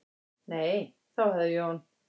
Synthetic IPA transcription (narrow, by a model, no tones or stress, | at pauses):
neːj | θawhɛðɪjhɔn